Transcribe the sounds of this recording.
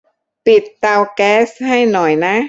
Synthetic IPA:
pi˨˩t̪̚ːa˧wkɛː˦˥sha˥˩jnɔ˨˩jna˦˥

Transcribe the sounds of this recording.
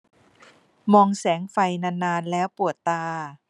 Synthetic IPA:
mɔː˧ŋsɛː˩˦ŋfa˧jna˧nːaː˧nlɛː˦˥wpu˨˩ət̪ːaː˧

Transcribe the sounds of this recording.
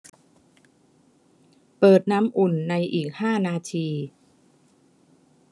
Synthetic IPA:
pɤː˨˩t̪̚naː˦˥mʔu˨˩nːa˧jʔiː˨˩k̚haː˥˩naː˧t̪ʰiː˧

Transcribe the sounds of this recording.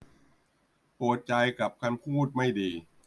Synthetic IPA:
puː˨˩t̪̚t͡ɕa˧jka˨˩p̚kʰa˧npʰuː˥˩t̪̚ma˥˩jdiː˧

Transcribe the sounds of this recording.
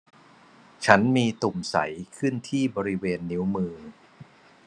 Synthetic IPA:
t͡ɕʰa˦˥nmiː˧t̪u˨˩msa̰˩˦jkʰɯ˥˩nt̪ʰiː˥˩bɔː˧ɾi˦˥weː˧nːi˦˥wmɯː˧

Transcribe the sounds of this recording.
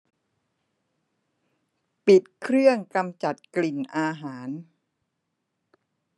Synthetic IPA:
pi˨˩t̪̚kʰɾɯ˥˩əŋka˧mt͡ɕa˨˩t̪̚kli˨˩nʔaː˧ɦaː˩˦n

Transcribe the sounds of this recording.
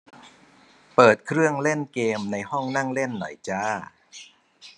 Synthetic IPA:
pɤː˨˩t̪̚kʰɾɯ˥˩əŋle˥˩nkeː˧mna˧jhɔ˥˩ŋna˥˩ŋle˥˩nːɔ̰˨˩˦jt͡ɕaː˥˩

